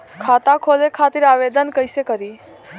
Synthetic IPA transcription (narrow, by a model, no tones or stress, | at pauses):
kʰaːt̪akʰoːlekʰaːt̪iɾaːʋeːd̪ənkəjsekəɾiː